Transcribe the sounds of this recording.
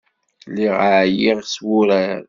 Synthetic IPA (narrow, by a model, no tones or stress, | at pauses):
lːiʁʕjiʁswʊɾæɾ